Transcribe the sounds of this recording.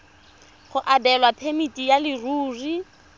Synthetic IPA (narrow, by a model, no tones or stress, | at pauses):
χʊʔadɛlwapʰemitʼijalɪruːri